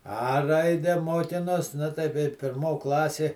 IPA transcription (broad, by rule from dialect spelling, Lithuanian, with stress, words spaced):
ɐ ˈrɐɪdʲɛ ˈmoːkʲɪnoːs ˈnʊ tɐɪ kɐɪ pʲɪrˈmoː ˈklˠɑːsʲeː